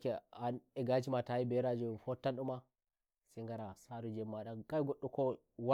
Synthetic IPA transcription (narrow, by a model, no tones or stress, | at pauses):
kɛanɛɡat͡ʃimatajibɛɾad͡ʒɔfɔtːanɗuma | sɛŋɡaɾasaːɾud͡ʒɛmːaɗakajɡɔɗːɔkɔ | wa